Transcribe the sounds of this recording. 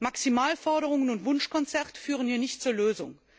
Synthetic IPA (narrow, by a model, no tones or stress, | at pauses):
maksimaːlfɔɐɾəʁʊŋənʊntvʊnʃkɔnt͡sɛʁtə̥fyːʁ̞ənhiːɐnɪçtt͡suːɐløːzʊ̰ŋ